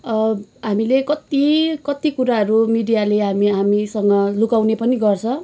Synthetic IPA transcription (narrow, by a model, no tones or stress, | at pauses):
ʌɦamilekʌt̪ikʌt̪ikuɾaɦʌɾumiɖijaleɦamiɦamisʌŋɡʌlukawnepʌniɡʌrt͡sʰʌ̃